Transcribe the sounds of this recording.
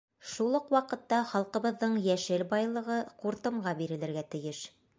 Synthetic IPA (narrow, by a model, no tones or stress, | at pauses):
ʃulˠɤqwɑqɤ̆t̪ːɑχɑlˠqɤ̆βɤ̆ðːɤɴjæʃɘlbɑjlˠɤ̆ʁɤquɾt̪ɤ̆mɢɑbiɾɘ̆lɘ̆ɾɡæt̪ɘ̆jɘʃ